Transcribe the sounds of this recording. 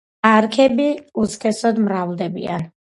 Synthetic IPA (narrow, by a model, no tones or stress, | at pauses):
aɾkʰɛbiuskʰɛsɔd̪mɾavlˠd̪ɛbḭa̰n